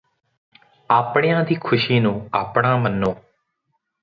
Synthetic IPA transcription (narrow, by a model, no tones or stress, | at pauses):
aːpɳɪjãːd̪iːkʰʊʃiːnũːaːpɽ̃ãːmənːõː